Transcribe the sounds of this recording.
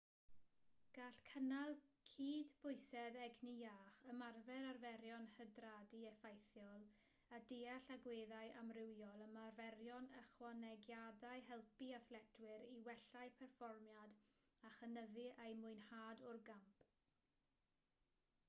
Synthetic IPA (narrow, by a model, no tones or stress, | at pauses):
ɡ̥aːɬkʰənalˠkʰiːdbʊɨsɛðɛɡnijaːχəmarvɛɾarvɛɾjɔnhədraːdiɛfajθjɔlˠ | adeaɬaɡweːðajʔamrɪwjɔlˠəmarvɛɾjɔnəχwanɛɡjadaɨɦɛlˠpiaθlɛtʰwɪɾiwɛɬaɨpʰɛrfɔrmjad | aχənəðɨʔejmʊɨnhaːdʊrɡampʰ